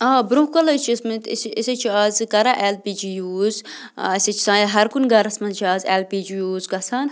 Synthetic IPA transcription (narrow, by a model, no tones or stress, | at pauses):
abɾũhkɐlɐt͡ʃʰiɐsmit̪isiset͡ʃʰiaːzkɐɾaʔelpiːd͡ʒijuːzɐset͡ʃʰi̥sãːjɐɦɐɾkunɡɐɾɐsmɐnt͡ʃʰiaːzelpiːd͡ʒijuːzkɐsʰaːn